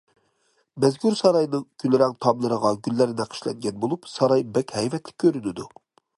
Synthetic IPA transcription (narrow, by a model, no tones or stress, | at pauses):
mɛzɡʲyɾsɑɾɑjnɨŋkʲʰynlːɪɾæŋt̪ʰɑmlˠɨɾəʁɑɡʲylːæɾnɛqʰə̥ʃlɛ̰ŋɡʲɛnbolˠupsɑɾɑjbɛkʲhɛjvɛt̪ʰlɪ̥kʲʰːøɾynɪd̪u